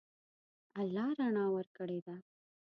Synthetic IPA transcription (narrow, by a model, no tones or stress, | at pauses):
ɐlːɑɾaɳɑwɐɾkəɽed̪a